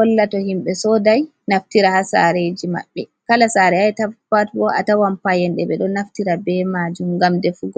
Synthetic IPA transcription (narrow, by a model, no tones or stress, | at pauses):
ɔlːatɔhimɓɛsɔdaj | naftiɾahasa̰ɾed͡ʒima̰ɓːɛkalasaɾɛajtafatbɔʔa̰tawampajɛnɗɛbɛɗɔnaftiɾabɛmad͡ʒumɡamdɛfuɡɔ